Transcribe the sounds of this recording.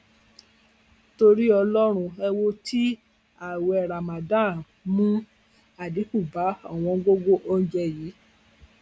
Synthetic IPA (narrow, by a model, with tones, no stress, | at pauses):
to˧ɾi˦ɔ˧lɔ˦ɾ̃ũ˧ɛ˧wo˧tʰi˦ | a˨wɛ˨ɾa˨mã˨dã˦˨ | mũ˦ | a˨di˨˦ku˦˨ba˨˦ɔ̰˦˨w̃ɔ̃˧ɡo˦ɡo˦ʔo˦n̩˦d͡ʒɛ˧ji˨˦